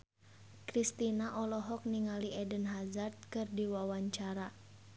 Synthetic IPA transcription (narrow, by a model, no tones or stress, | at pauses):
kɾist̪inaʔɔlɔɦɔk̚niŋaliʔɛdənɦazart̪̚kɨrdiwawaɲt͡ʃaɾa